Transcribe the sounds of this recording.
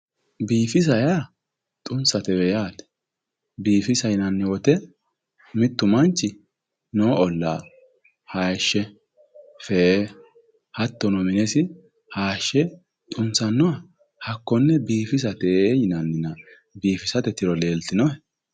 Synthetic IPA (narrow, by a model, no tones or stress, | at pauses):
biːfɪs̬ɐja | t̪ʼʊnsɐt̪ɛwɛjaːt̪ɛ̥ | biːfɪsɐjɪnɐnːɛwɔt̪ɛ | mɪt̪ːʊmɐnt͡ʃːɪ | noːɔlːa̰ː | haːʃːɛ | fɛ | hɐt̪ːɔnɔmɪnɛsɪ | haːʃːɛ | t̪ʼʊnsɐnːɔwɐ | hɐkːɔnːɛbiːfɪs̬ɐt̪ɛjɪnɐnːɪnɐ | biːfɪsɐt̪ɛt̪ɪɾɔleːlt̪ɪnɔɛ